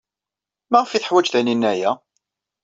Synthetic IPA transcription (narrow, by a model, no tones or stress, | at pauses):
mæʁəfiθəħwæd͡ʒθæninːæjæ